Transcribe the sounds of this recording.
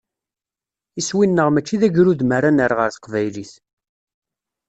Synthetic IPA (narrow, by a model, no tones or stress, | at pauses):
iswinːəʁmæt͡ʃːiðæʝɾuðmæɾanəɾʁəɾθqvæjliθ